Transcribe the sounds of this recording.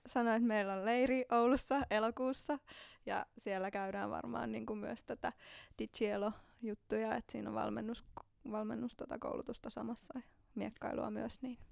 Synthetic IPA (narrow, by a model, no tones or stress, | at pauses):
sɑnoet̪meilːolleiriʔoulusːɑelokuːsːɑjɑ̰sielːækæydæːʋʋɑ̰rmɑ̰ːnniːŋkumyøst̪ot̪æd̥it̪ʃielojut̪ːujɑet̪sḭːno̰ʋʋɑ̰lmenːus | ʋɑlmḛnːust̪ot̪ɑko̰ulʔṵt̪ust̪ɑsɑ̰mɑsːɑmiekːɑilṵɑ̰myøsniːn